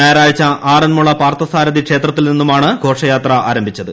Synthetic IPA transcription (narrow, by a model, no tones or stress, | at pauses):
ejɾaːjit͡ɕːɐaːrɐnmuɭɐpaːrt̪ɐsaːɾɐd̪ikʂe̞ːt̪rɐt̪ːilninːumaːɳɨɡʱo̞ːʂɐjaːt̪rɐa̰ːɾɐmbʱit͡ɕːɐðɨ